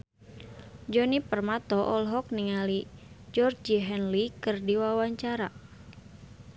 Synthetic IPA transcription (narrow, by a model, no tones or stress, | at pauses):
d͡ʒɔnipərmat̪ɔʔɔlɦɔk̚niŋalid͡ʒɔrd͡ʒiɦɛnlikɨrdiwawaɲt͡ʃaɾa